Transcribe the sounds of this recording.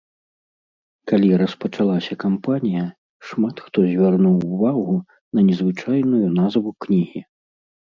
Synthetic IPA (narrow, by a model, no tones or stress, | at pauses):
kalʲiɾɐspɐt͡ʂalˠasʲɐkampanʲijɐ | ʂmat̪xt̪ɔzʲvʲarnuwvaɣu | nɐnʲɛzvɨt͡ʂajnujunazvuknʲiɣʲi